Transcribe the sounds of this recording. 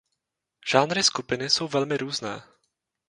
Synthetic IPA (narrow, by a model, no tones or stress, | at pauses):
ʒ̥aːnɾɪskupɪnɪso̞wvɛlmɪɾuːznɛ̰ː